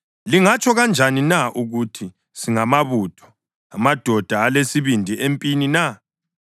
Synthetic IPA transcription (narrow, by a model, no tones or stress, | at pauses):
liŋat͡ʃʰɔɣand͡ʒʱaninaʔuɣutʰi | siŋamaβutʰɔ̥ | amad̥ʱɔd̥ʱaːlesiβindʱiʔempʼinina